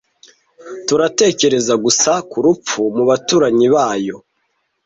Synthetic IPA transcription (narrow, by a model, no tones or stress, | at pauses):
tuɾate̞ːce̞ɾe̞zaɡusakuɾup͡fumuβatuːɾaɲiβaːjo̞